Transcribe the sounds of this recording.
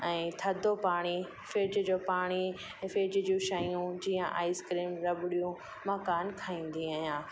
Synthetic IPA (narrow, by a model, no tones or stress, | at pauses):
ɛ̃ːt̪ʰɐd̪ʱopaːɽ̃i | feːd͡ʑd͡ʑoːpaːɽ̃ĩ | feːd͡ʑd͡ʑũʃaijũd͡ʑiːə̃ʔa̰ːɪskɾiːmɾɐbɪɽijũ | mɐkaːnkʰaːĩːn̆d̪iaːɦijãː